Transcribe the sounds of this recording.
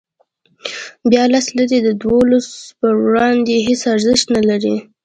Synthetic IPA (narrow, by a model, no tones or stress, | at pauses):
bjɑlaslaɾid̪əd̪wolaspəɽɑnd̪eɦesaɾzɪʃt̪nalaɾi